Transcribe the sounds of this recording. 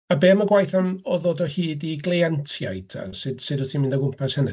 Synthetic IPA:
abeːməɡwajθanɔðɔdɔhiːdiɡlˠeantʰja̰jdʰa̰sɨd̥sɨdətʰimɪndəɡʊmpʰashənɨ̰

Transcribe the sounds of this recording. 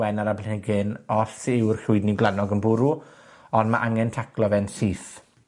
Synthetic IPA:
ɛnaɾablɪnɪɡɪnɔɬɪwrɬʊɨdniɡlˠanɔɡənbʊɾuɔndmaʔaŋɛntʰaklɔvɛnsiːθ

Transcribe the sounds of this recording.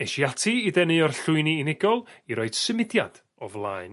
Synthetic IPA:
ɛʃiatʰiːdɛnɨɔrɬʊɨniːnɪɡɔlˠiɾɔɨd̥səmɪdjad̥ | ɔvlˠaːɨn

